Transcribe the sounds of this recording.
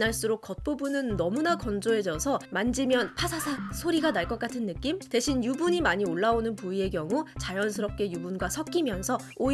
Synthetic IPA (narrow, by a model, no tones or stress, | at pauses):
naɭs͈ɯɾok̚k͈ʌt̚p͈obunɯnːʌmunakʌnd͡ʑoe̞d͡ʑʌsʰʌmand͡ʑimjʌnpʰasʰasʰasʰoɾiɡanaɭk͈ʌk͈atʰɯnːɯk͈imte̞ɕʰinjubuɲimaɲioɭːaonɯnpuie̞kjʌŋut͡ɕajʌnsʰɯɾʌp̚k͈e̞jubunɡwasʰʌp̚k͈imjʌnsʰʌ | o